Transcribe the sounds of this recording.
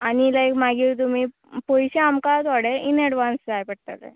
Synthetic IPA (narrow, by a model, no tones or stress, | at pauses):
anilajkmaɡit̪̬umi | pojɕeamkat̪ʋaɽeinɛɽʋansd͡zajpəʈt̪alḛ